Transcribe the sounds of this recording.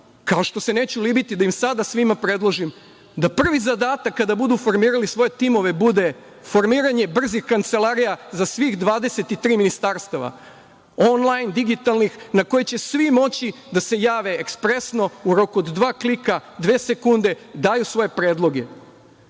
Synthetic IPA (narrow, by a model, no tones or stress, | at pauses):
kaoʃt̪o̞se̞ne̞ːt͡ɕulibit̪id̪aimsad̪asʋimapɾe̞d̪lˠoʒim | d̪apr̩ʋizad̪aːt̪akːad̪abud̪uːfo̞ɾmiːɾalisʋo̞je̞t̪imo̞ʋe̞bud̪e̞ | fo̞ɾmiːɾaɲe̞br̩zixkant̪se̞lˠaɾijazasʋiɣd̪ʋaːd̪ese̞t̪it̪ɾiːminist̪aɾst̪aʋa̰ | o̞nlˠajnd̪iɡit̪alˠnixnako̞jet͡ɕe̞sʋimo̞t͡ɕi | d̪ase̞jaːʋe̞ːkspɾe̞sno̞uɾo̞kuod̪d̪ʋaːklikad̪ʋe̞ːse̞kund̪e̞d̪aːjusʋo̞je̞pɾe̞ːd̪lˠo̞ɡe̞